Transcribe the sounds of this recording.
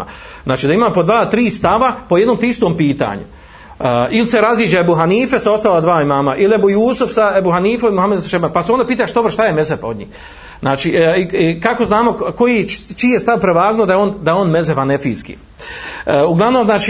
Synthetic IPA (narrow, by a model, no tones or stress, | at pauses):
zaːt͡ʃiːd̪aimaːmpo̞d̪ʋaːt̪ɾiːst̪aʋapo̞je̞d̪nomt̪iist̪oːmpiːt̪a̰ːɲṵ | ʔiliseɾaziːd͡ʒeebuɦaniːfesao̞st̪alad̪ʋaːimaːmaʔiliebujuːsufsaebuɦaniːfomimuhamed̪saʃebanpasuond̪apiːt̪aʃd̪obɾʃt̪ajeme̞zepo̞d̪ɲḭːh | znaːt͡ʃiikako̞znaːmo̞kojit͡ʃiːjest̪aʋpɾeʋaːɡnuod̪aeoːnd̪aoːnme̞zeʋanefḭːskḭ | uɡlˠaʋnomznaːt͡ʃi